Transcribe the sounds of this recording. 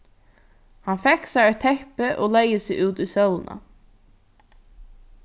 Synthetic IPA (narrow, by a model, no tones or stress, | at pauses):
hanfɛksaɾɛt̪ʰːɛhpɪʔɔ̰lɛjəsɪuːt̪usœwlna̰